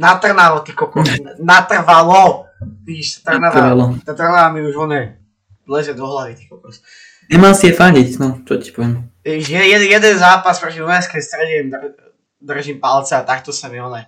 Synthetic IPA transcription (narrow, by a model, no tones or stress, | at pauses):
nat̪r̩naʋɔt̪ikɔkɔsnat̪r̩ʋalɔt̪iʃt̪r̩naalɔt̪at̪r̩naamiuʒʋɔnɛ | lɛzɛd̪ɔɦlaʋit̪ixkɔkɔs | ɲɛmalsiɛfaɲicnɔt͡ʃɔci̥pɔʋɪɛmjɛjɛjɛd̪ɛnzaːpaspɾɔcʲimɔnɛskɛjst̪ɾɛɟɛnd̪ | d̪r̩ʒimpalt͡sɛat̪akt̪ɔsamiɔnɛ